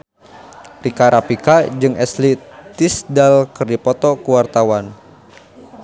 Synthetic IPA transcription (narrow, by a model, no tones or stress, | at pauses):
rikaɾʔapikad͡ʒɨŋɛslit̪isdalkɨrdipɔt̪ɔkuwart̪awan